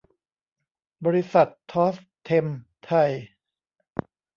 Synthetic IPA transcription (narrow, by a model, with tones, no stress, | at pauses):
bɔː˧ɾi˧˥sa˨˩t̪ʰːɔː˦˥st̪ʰːe˧mt̪ʰa˧˩j